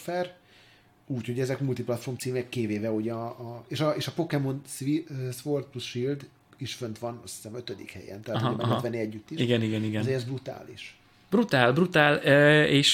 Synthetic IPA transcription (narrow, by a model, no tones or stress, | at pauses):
fɛr | uːcho̞ɟɛzɛkmult̪iplɒt̪formt̪siːmɛkːeːveːvɛoɟɒːeːʃɒeːʃɒpo̞kɛmo̞nsisʋort̪̚plusʃild̪ | iʃfønt̪ʋɒnɒ̰si̥sɛmøt̪ød̪ḭkhɛ̰jɛ̰nt̪ɛaːt̪oɛɛt̪ʋɛnːiɛɟːyt̪ːiʃiɡɛniɡɛniɡɛnzeɾɛzbrut̪a̰ːlḭʃ | b̥rut̪aːlbrut̪aːleːʃ